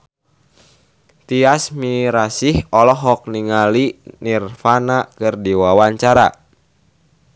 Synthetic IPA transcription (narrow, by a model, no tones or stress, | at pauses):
t̪iasmiɾasihɔlɔɦɔk̚niŋalinirfanakɨrdiwawaɲt͡ʃaɾa̰